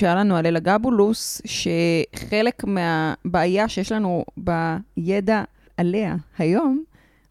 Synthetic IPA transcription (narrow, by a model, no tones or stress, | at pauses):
alanualelaɡabulusʃe̞χe̞le̞kmeabaːjaʃejeʃlanubajeda | aleahajo̞m